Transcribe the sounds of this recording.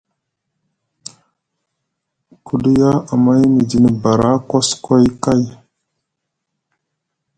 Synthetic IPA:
kʰu˦di˦ja˦a˨ma˦jmi˨di˨ni˨ba˨ɾa˦ko˦sko˦jka˦j

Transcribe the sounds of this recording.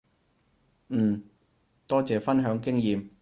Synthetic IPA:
n̩ː˨˩ | t̪ɔː˥t͡sɛː˨fɐ˥nɦœː˨˧˥ŋkɪ˥ŋjiː˨m

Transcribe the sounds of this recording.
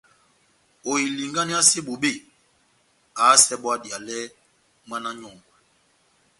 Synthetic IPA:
o˨i˨li˨ŋɡa˦ni˦a˦si˦ɓo˨ɓe˦˨ | a˨˦sɛ˦ɓwa˦dja˨lɛ˦ | ma˦na˦ɲɔ˨ŋɡwɛ˨

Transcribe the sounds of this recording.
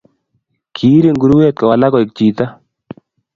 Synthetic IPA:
kʰi˨˦ɾe˨ŋɡu˦ɾu˦we˦t̪̚kɔ˨wa˨la˦kɔ˨i˨k̚t͡ʃi˨t̪a˦

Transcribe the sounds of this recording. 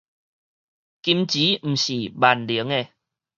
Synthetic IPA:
ki˧mt͡ɕi˨˦m̩˨˩ɕi˨˩ba˨˩nli˨˦əŋe˧˩

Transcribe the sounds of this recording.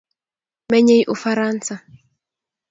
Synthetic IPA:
mɛ˦ɲe˦jʔu˦faɾa˦nsa˨

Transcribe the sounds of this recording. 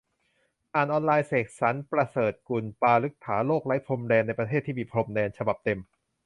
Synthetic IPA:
ʔaː˨˩nʔɔː˧nlaː˧jseː˨˩k̚sa˩˦npɾa˧sɤː˨˩t̪̚ku˧npaː˧lɯ˦˥k̚t̪ʰaː˩˦loː˥˩k̚la˦˥jpʰɾo˧mdɛː˧nːa˧jpɾa˧t̪ʰeː˥˩t̪ʰːiː˥˩miː˧pʰɾo˧mdɛː˧nt͡ɕʰa˧ba˨˩p̚t̪e˧m

